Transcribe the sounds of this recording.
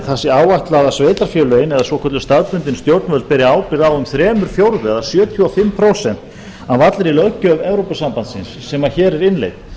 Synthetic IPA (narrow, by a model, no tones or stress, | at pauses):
θasɪaːwvaht̪laðasveːjt̪aɾfjœːlœnɛðasvɔkʰvɔt̪ʏst̪aðpʏnt̪ɪnst̪jowɾt̪nvœlt̪̚pɛɾɪaːwpɪɾaʏmθɾɛːmʏɾ̥fjowɾðʏɛðasjœːt̪ʰjuafɪmːpʰɾowsɛn̥t̪ | aðvat̪lɪɾilœcœvɛvɾowpasampant̪sɪnsːɛmaçɛːɾɛɾɪnlḛjt̪̚